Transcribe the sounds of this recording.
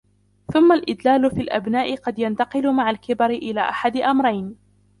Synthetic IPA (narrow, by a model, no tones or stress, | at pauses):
θʊmːalʔɪd̪laːlʊfilʔa̰bnaːʔɪqɑd̪jant̪ɑqɨlʊmaʕalkɪbaɾɪʔɪlaːʔaħad̪ʔamɾˤɑjn